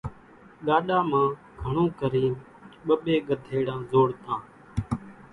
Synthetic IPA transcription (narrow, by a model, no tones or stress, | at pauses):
ɠaːɗaːmãː | ɡʱəɳõːkəɾiːn | ɓəɓeːɡəd̪ʱeːɽãːzoːɽt̪ãː